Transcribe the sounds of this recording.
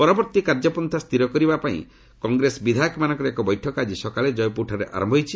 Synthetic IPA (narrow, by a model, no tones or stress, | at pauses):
pɔɾɔbɔɾt̪ikaɾd͡ʒɔpɔnt̪ʰast̪ʰiɾɔkɔɾibapaḭ̃ | kɔŋɡɾesbid̪ʱajɔkɔmanɔ̃ŋkɔɾeekɔbɔjʈʰɔkad͡ʒisɔkaled͡ʒɔjpuʈʰaɾeʔa̰ɾɔmbʱɔɦjt͡ʃʰi